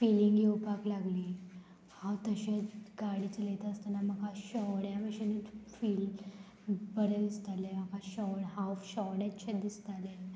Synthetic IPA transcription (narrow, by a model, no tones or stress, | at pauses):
filiŋɡjewpaklaɡliː | hãwt̪əɕẽɡaɽit͡səlet̪aəst̪anaməɡʱaɕɔɽjaʋəʂenifiːl | bəɾed̪ist̪aleməɡʱaɕɔɽɦafɕɔʋɽatɕed̪ist̪ale